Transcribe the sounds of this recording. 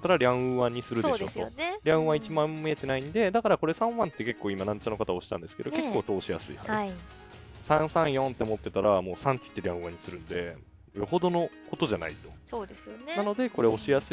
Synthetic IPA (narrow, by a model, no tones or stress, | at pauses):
t̪ːaɾaɾʲãɯ̃βaɲ̟isɨɾɯ̟d̪eɕoso̰nɾʲãɯ̟̃βait͡ɕimãmeet̪e̞naĩnd̪e̞d̪akaɾako̞ɾe̞sãɰ̃βãnt̪ːe̞ke̞kːo̞ːimanãɲt͡ɕano̞kat̪ao̞ɕi̥ã̰nd̪esɨ̥ke̞d̪o̞ke̞kːo̞ːt̪o̞ːɕija̰sɨḭha̰ | sãɰ̃sãɰ̃jõ̞nt̪ːe̞mo̞t̪ːe̞t̪aɾʔamo̞ːsãŋkʲi̥t̪ːeɾʲãɯ̟̃βaɲ̟isɨɾɯ̟̃nd̪e̞̰ | ɯaho̞d̪o̞no̞ko̞t̪o̞ʑana̰it̪o̞̥soːd̪esɨjonnano̞d̪e̞ko̞ɾe̞o̞ɕijasɨ